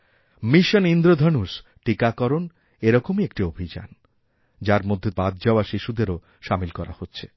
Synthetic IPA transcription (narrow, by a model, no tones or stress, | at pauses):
miʃonind̪ɾod̪ʱɔnuʃʈikakɔɾon | eɾɔkomiek̚ʈiobʱid͡ʑa̰n | d͡ʑaɾmod̪ʱːebad̪d͡ʑaoaʃiʃud̪eɾo | ʃamilkɔɾa̰hotːɕʰe